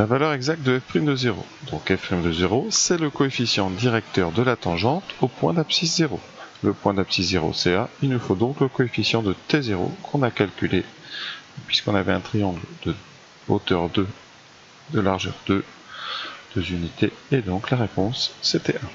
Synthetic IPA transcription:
lavalœʁɛɡzak̚t̪̚d̪əɛfpχimd̪əzeʁo̰ | d̪ɔ̃kɛfpχimd̪əzeʁosɛləkɔefisjɑ̃d̪iʁɛk̚t̪œʁd̪əlat̪ɑ̃ʒɑ̃t̪opwɛ̃d̪apsiszeʁo | ləpwɛ̃d̪apsiszeʁo̰sɛailnufod̪ɔ̃kləkɔefisjɑ̃d̪ət̪ezeʁo̰kʰɔ̃nakalkʲyle | pɥiskɔ̃navɛɛ̃t̪χijɑ̃ɡld̪ə | ot̪œʁd̪ø | d̪əlaʁʒœ̰ʁd̪ø | d̪̥əzynit̪eːd̪ɔ̃klaʁepɔ̃sːet̪ɛɛ̃

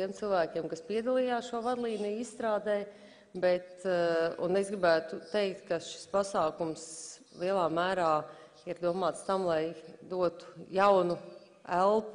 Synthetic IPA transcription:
t̪iɛmt̪silˠʋæːkʲeɛmkaspiɛd̪alˠijaːsʃuɔvad̪lˠiːnijisst̪ɾaːd̪ɛj | bɛt̪ṵnesɡɾibæːt̪ut̪ɛjk̚t̪kaʃi̥spasaːkums | lˠiɛlˠaːmæːɾaː | iɾd̪uɔmaːt̪st̪amlˠajd̪uɔt̪u̥jawnu | ælˠpu

